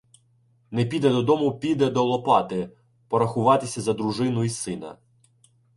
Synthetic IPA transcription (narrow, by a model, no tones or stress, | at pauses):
nɛpʲid̪ɛd̪ɔd̪ɔmʊpʲid̪ɛd̪ɔlˠɔpɑt̪ɪ | pɔɾɐxʊʋɑt̪ɪsʲɐzɐd̪ɾuʒɪnʊisɪnɐ̰